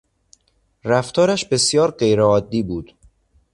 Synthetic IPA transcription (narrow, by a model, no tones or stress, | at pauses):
ɾæft̪ʰɒːɾæʃbe̞sjɒːɾɢe̞jɾeɒːd̪ːiːbuːd̪̥